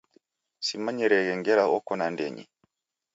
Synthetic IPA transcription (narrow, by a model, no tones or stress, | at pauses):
simaɲɛɾɛɣɛŋɡɛɾaʔɔkɔnandɛ̰ɲḭ